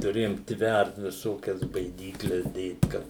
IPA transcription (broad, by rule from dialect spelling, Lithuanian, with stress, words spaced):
tʊˈrʲeːjoːm ˈtʲʋʲært ʋʲɪˈsoːkʲɛs bɐɪˈdʲiːklʲɛs ˈdʲeːt ˈkɐt